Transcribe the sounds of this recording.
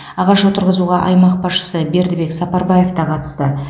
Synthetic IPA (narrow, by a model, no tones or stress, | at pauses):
ɑʁɑʃot̪ʰəɾʁəzuʁɑʔɑjmɑq̚bɑsʃə̥səbe̞ɾd̪ɪbe̞ksɑpɑɾbɑje̞ft̪ɑqʰɑt̪ə̥st̪ə